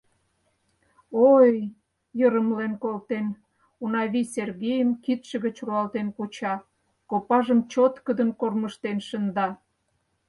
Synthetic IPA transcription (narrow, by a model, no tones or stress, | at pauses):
oj | jəɾəmlenkolt̪en | unɑβisʲerɣejəmkit̪ʃə̆ɣət͡ɕruɑlt̪enkot͡ɕɑ | kopɑʒəmt͡ɕot̪kəd̪ənkorməʃt̪enʃənd̪ɑ